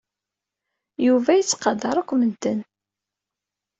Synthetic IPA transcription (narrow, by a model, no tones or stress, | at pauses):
juvæjət͡sːqɑd̪ɑɾˤakʷːmənt̪ən